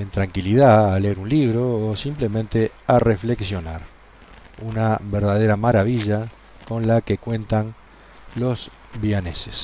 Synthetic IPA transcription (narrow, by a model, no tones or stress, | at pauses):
ent̪ɾaŋkiliðaaleeɾunliβɾoːsimple̞mẽnt̪e̞ | arefle̞ksjo̞naɾ | unaβeɾðað̞eɾamaɾaβ̞iʒa | ko̞nlakekwe̞nt̪an | lo̞z | βiane̞ses